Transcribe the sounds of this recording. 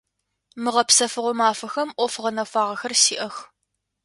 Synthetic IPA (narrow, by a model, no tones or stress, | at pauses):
mɨʁɐpsɐfɨʁʷɔmaːfɐxɐmʔʷɔfʁɐnɐfʷaːʁɐxɐrsiːʔɐx